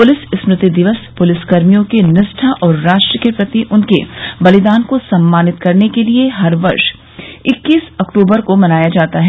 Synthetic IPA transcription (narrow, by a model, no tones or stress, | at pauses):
pʊlɪssmɾɪt̪id̪ɪʋəspʊlɪskɐɾmijõkenɪsʈʰaʔɔːɾːaːʃʈɾəkipɾɐt̪iʔʊnkebɐlɪd̪aːnkosɐmːaːnɪt̪kɐɾnekelieɦɐɾʋɐɾʃ | ɪkːiːsɐkʈuːbəɾkomɐnaːjad͡ʒaːt̪aɦɛ